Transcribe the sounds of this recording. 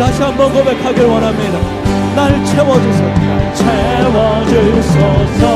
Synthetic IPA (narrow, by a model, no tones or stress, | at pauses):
taɕʰiɦambʌnɡobe̞kʰaɡeɾwanameda | naɾt͡ɕʰewʌd͡ʑusʰʌt͡ɕʰewʌd͡ʑusʌs